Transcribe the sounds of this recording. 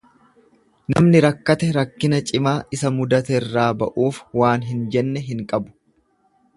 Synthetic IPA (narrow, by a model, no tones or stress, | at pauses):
nɐ̰mnɪɾɐkːɐt̪ɛɾɐkːɪnɐt͡ʃʼɪmaːʔɪsɐmʊd̪ɐt̪ɛrːaːbɐ̰ʔuːfwaːnɦɪnd͡ʒɛnːɛɦɪŋkʼɐbʊ̥